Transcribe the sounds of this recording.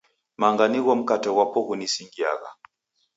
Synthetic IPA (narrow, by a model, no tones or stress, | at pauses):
maŋɡaniɣɔm̩katɛwapɔɣunisiŋɡia̰ɣa̰